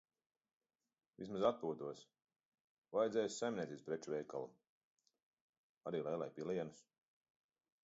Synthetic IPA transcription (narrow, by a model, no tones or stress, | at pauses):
vʲḭsmazat̪̚puːt̪uɔs | vajd̪zɛjussajmʲnʲɛt̪ʲiespɾɛt͡ʃuvɛjka̰lˠṵ | aɾiːlˠɛjlˠajpilˠiɛnus